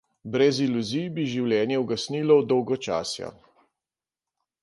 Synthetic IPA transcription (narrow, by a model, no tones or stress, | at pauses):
bɾɛziluzijbiʒiwljɛːnjɛwɡasnilɔwd̪ɔwɡɔt͡ʃa̰ːsja̰